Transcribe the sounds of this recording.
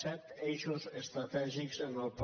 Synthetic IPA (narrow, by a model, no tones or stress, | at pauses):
sɛt̪ejʃozest̪ɾat̪ɛʒiksãnalp